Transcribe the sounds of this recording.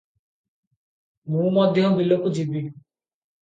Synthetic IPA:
mũmɔd̪ʱjɔbilokud͡ʒibi

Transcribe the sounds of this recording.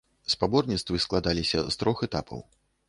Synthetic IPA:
spabɔrnʲit̪st̪vɨsklˠad̪alʲisʲɐst̪ɾɔxɛt̪apʰɐ̰w

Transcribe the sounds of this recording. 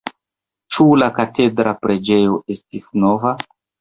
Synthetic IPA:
t͡ʃulakate̞dɾapɾe̞d͡ʒe̞jo̞ʔe̞stisno̞va

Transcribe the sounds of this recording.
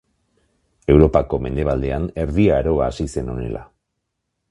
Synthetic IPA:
e̞wɾo̞pako̞me̞nd̪e̞β̞ald̪e̞ane̞ɾðiaːɾo̞aːsise̞no̞̰ne̞̰lʔa̰

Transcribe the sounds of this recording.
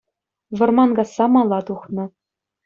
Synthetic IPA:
ʋɤ̆rmɑnɡɑsːɑmɑlˠːɑt̪uχnɤ̆

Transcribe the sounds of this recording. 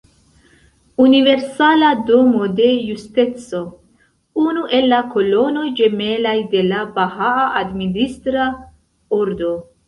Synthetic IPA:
unive̞ɾsalado̞mo̞de̞juste̞t͡so̞ | unuʔe̞lːako̞lo̞no̞jd͡ʒe̞me̞lajde̞labahaaʔadministɾa | oɾdo̞

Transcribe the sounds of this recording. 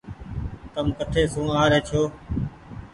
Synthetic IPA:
t̪əmkət̪ʰeːsũːaːɾeːt͡ʃʰoː

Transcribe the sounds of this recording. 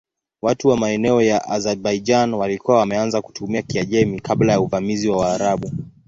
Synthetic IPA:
watuwamaɛnɛɔjaʔazɛbaid͡ʒanwalikuwawamɛanzaku̥tumiakiaʄɛmikʰaɓlajauvamiziwawaːɾaɓu

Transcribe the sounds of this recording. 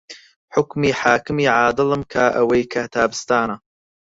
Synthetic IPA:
ħʊkmiːħaːkɨmiːʕaːd̪ɨlɨmkʰaʔɐwɐjkʰat̪ʰaːbɨst̪aːna

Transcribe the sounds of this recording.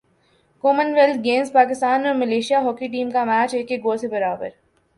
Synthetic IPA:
koːmənʋɛlt̪ɡẽːnzpaːkɪst̪aːnɔɾmɐleːʃijaɦɔːkiʈ̬iːmkamæːt͡ʃeːkːeɡoːsebɐɾaːbə̰ɾ

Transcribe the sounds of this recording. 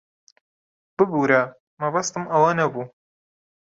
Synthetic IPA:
b̥ɨbuːɾɐ | mɐbɐst̪ɨmɐwanɐbuː

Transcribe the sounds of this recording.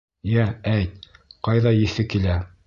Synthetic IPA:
jææjt̪̚qɑjðɑjɘ̆θɘkilæ

